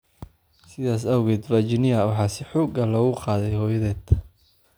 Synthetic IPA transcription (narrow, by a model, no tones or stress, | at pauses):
sɪðaːsɐwɣɛːd̪rɐd͡ʒɪnɪɐwɑħɑːsɪħuːɡɐlɔːɣʊqɑːðɛjhɔːjɐðɛːd̪